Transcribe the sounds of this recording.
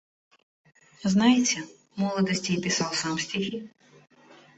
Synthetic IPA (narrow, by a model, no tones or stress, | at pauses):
znajet͡sʲːɐ | mɔlˠɔd̪ɔsʲtʲijpʲɪsɑwsɑmsʲtʲixʲi